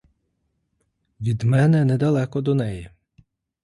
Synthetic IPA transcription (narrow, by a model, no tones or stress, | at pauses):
ʋʲid̪mɛnɛnɛd̪ɐlˠɛkɔd̪ɔnɛji